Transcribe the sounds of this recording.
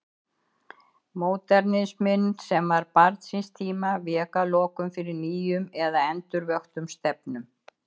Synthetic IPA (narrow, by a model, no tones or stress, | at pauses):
moːwt̪ɛɾnɪsmɪnːsɛmvaɾpaɾt̪sinst̪ʰiːmavɛːkalɔːkʏmfɪɾɪɾniːjʏmɛðaɛnt̪ʏɾvœxt̪ʏmst̪ɛpnʏm